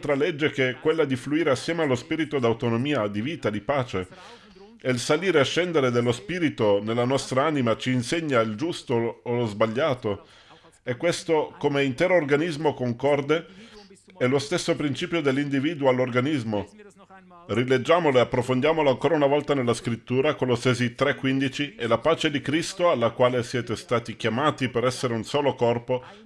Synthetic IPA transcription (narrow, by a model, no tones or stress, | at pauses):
t̪ɾaled͡ʒːekekːwelːad̪ifluiːɾeasːjɛːmealːospiːɾit̪od̪awt̪onomiːad̪iviːt̪ad̪ipaːt͡ʃe | ɛilsaliːɾeaʃːɛnd̪eɾed̪elːospiːɾit̪onelːanɔst̪ɾaaːnimat͡ʃiːnseɲːaild͡ʒust̪oːlozbaʎːaːt̪o | ɛkːwest̪okomeint̪ɛːɾoːrɡanizmokoŋkɔrd̪e | ɛlost̪esːopɾint͡ʃiːpjod̪elːind̪iviːd̪uoalːorɡanizmo | riled͡ʒːaːmoloeapːɾofond̪jaːmolaŋkoːɾaunavɔlt̪anelːaskɾit̪ːuːɾakoloseːzit̪ɾɛkːwind̪it͡ʃielapaːt͡ʃed̪ikɾist̪oalːakwaːlesjɛːt̪est̪aːt̪ik̟jamaːt̪ipeɾɛsːeɾeunsoːlokɔrpo